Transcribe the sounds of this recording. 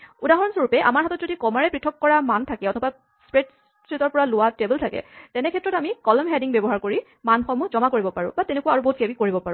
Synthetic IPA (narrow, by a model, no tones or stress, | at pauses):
udaɦɔɹɔnsoɹupɛʔa̰maɹɦatɔt̚zodikɔmaɹɛpɹitʰɔkːɔɹamantʰakɛɔtʰɔpa | spɹet | sɹitɔɹpɔɹalʊwatebəltʰakɛ̰tɛnɛkʰɛtɹɔtamikɔlɔmɦɛdiŋbɛbɔɦaɹkoɹi | manxɔmuzɔmakoɹibɔpaɹʊ̰̃batɛnekuwaaɹuboɦut̚kebikoɹibɔpaɹũ